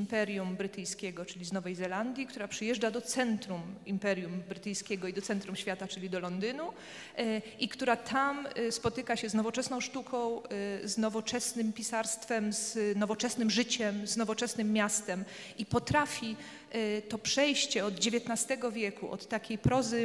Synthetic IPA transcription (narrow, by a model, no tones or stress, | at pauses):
mpɛɾjumbɾɘt̪ɘjskʲɛɡɔt͡ʂɘlʲiznɔvɛjzɛland̪ʲjikt̪uɾapʂɘjɛʐd͡ʐad̪ɔt̪sɛnt̪ɾumimpɛɾʲjumbɾɘt̪ɘjskʲɛɡɔid̪ɔt̪sɛnt̪ɾumɕfʲat̪at͡ʂɘlʲid̪ɔlɔnd̪ɘnu | ʔikt̪uɾat̪ʰamspɔt̪ɘkaɕɛznɔvɔt͡ʂɛsnɔ̃w̃ʂt̪ukʰɔ̃w̃znɔvɔt͡ʂɛsnɘmpʲisaɾst̪fɛmznɔvɔt͡ʂɛsnɘmʐɘt͡ɕɛmznɔvɔt͡ʂɛsnɘmːjast̪ɛm | ipɔt̪ɾafʲi | t̪ɔpʂɛjɕt͡ɕɛɔd̪d͡ʑevʲjeɛt̪nast̪ɛɡɔvʲjɛkuʔɔ̰t̪ːakʲejpɾɔzɘ